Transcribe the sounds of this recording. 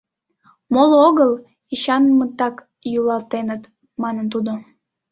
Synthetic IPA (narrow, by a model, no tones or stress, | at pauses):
moloɣəl | iɕɑnmət̪ɑk | julɑlt̪enət̪ | mɑnənt̪̬ud̪o